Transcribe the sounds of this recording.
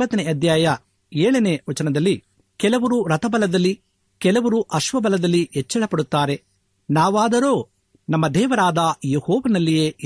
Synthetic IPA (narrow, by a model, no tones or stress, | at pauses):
ɐt̪ɐneɐd̪ʱjaːjɐ | eːɭɐneʋɐt͡ʃɐnɐd̪ɐlːi | kɛlɐʋɐɾuɾɐt̪ɐbɐlɐd̪ɐlːi | kɛlɐʋɐɾuʔɐʃʋɐbɐlɐd̪ɐlːiɛt͡ʃːɛɭɐpɐɽut̪ːaːɾe̞ | naːʋaːd̪ɐɾo̞ː | nɐmːɐd̪ɛːʋɐɾaːd̪ɐjehɔːʋɐnɐlːije̞ː